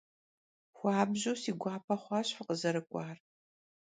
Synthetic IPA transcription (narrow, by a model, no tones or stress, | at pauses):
xʷɑːbʑowsiːɡʷɑːpʰɐχʷɑːɕfɨqəzɐɾɨkʷʼɑːr